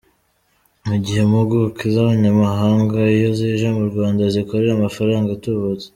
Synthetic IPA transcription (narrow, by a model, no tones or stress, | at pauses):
muɟihe̞muɡukizaβaɲamaɦaːŋɡaijoziʒamuɾɡwaːndazikoɾeɾamafaɾaːŋɡatuβut͡se̥